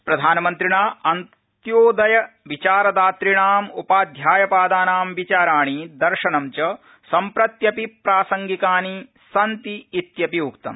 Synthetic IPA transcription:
pɾɐd̪ʱaːnɐmɐnt̪ɾiɳaːɐn | tt̪joːd̪ɐjɐ | ʋit͡ʃaːɾɐd̪aːt̪ɾiɳaːmṵpaːd̪ʱjaːjɐpaːd̪aːnaːmʋit͡ʃaːɾaːɳid̪ɐɾʂɐnɐmt͡ʃɐ | sɐmpɾɐt̪jɐpipɾaːsɐŋɡikaːni | sɐnt̪iːt̪jɐpiukt̪ɐ̰m

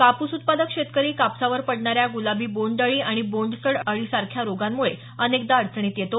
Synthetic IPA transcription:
kapusut̪̚pad̪əkɕet̪kəɾiːkapsaʋəɾpəɽɳaɾjaɡulabiːboɳɖəɭiːaɽ̃iboɳɖsəɽəɭiːsaɾkʰjaɾoɡamːuɭe | ənekd̪aɽt͡sʰɳ̃iːt̪jet̪o

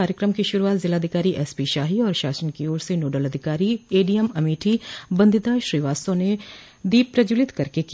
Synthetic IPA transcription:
aːɾjəkɾəmkiʃʊɾuaːt̪zɪlaːd̪ʱɪkaːɾiʔɛspiʃaːɦiɔːɾʃaːsənkioːɾsenoːɖəlɐd̪ʱɪkaːɾieːɖijəmɐmiːʈʰibɐ̃nd̪ɪt̪aʃɾiːʋaːsõne | d̪iːbpːɾɐd͡ʒuːlɪt̪kɐɾkek

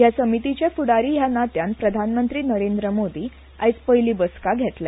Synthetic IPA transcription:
jasəmit̪it͡ɕefuɽaɾiːjanat̪janpɾəd̪ʱanmənt̪ɾiːnəɾend̪ɾəmod̪iː | ajt͡spəɦjliːbəskaɡʱet̪lɛ

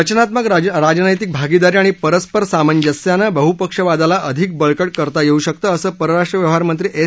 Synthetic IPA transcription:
ət͡ɕnat̪məkɾad͡ʑnəjt̪ik̚bʱaɡid̪aɾiaɽ̃ipəɾəspəɾsamənd͡ʑəsjanəbəɦupəkʂəʋad̪alaʔəd̪ʱik̚bəɭkəɽkəɾt̪ajeuɕək̚t̪əːəsəːpəɾəɾaʂʈɾəʋjəʋɦaɾmənt̪ɾiːʔe

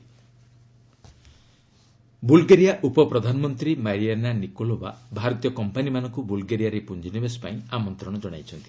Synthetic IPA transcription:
bulɡeɾijaʔupɔpɾɔd̪ʱanɔmɔnt̪ɾimaɾiananikoloba̰bʱaɾɔt̪ijɔkɔmpanimanɔŋkubulɡeɾijaɾepund͡ʒinibesɔ̥pa̰ĩamɔnt̪ɾɔɽ̃ɔd͡ʒɔɽ̃a̰jt͡ʃʰɔnt̪ʰi̥

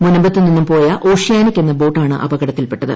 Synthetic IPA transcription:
munːɐmbɐt̪ːininːumpo̞ːjɐʔo̞ːʂjaːnikʲːe̞nːɐbo̞ːʈːaːɳɨ̰ʔɐ̰bɐɣɐɽɐt̪ːilpe̞ʈːɐðɨ̰

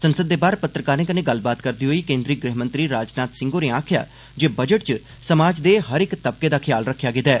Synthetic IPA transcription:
sənsəd̪ːeːbaːɾpət̪ɾəkaːɾnẽːkənẽːɡəlbaːt̪kəɾd̪iːɦoːiːkẽːnd̪ɾiːɡɾɛɦmə̃nt̪ɾiːɾaːd͡ʒnaːt̪sɪ̃ŋɡoːɾeːãːkʰɪja̰ː | d͡ʒeːbəd͡ʒəʈt͡ʃ | səmaːd͡ʒd̪eːɦəɾɪkt̪əb̚keːd̪aːkʰɪjaːlɾəkʰːjaːɡɪd̪ɛː

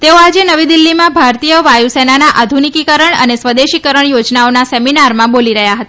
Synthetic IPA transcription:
t̪eoad͡ʒenəʋid̪ilːimãbʱaɾt̪ijəʋajusenanaʔad̪ʱunikikəɾəɳə̰nesʋəd̪eʃikəɾəɳjod͡ʒnaonasɛminaɾmãboliɾəɦjaɦət̪a

